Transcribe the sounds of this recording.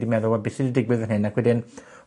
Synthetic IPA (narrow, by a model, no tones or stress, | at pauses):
dimɛðʊlˠabɪsɪdidɪɡwɨðənhɪnːakʰwɛdɪn